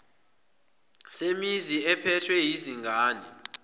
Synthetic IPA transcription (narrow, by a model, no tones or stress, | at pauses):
semiziɛpʰɛtʰwɛjiziŋɡʱaːni